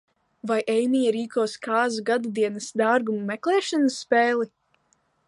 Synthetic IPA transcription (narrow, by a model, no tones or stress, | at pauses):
vajʔɛjmijaɾiːkɔɔskaːzuɡad̪ud̪iɛnɐsd̪aːɾɡumumɛklˠɛːʃanɐsːpɛːlˠi